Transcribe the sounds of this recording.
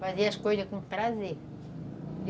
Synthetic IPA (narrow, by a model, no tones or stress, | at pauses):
fɐziɐʃkojzɐkũmt̪ɾazi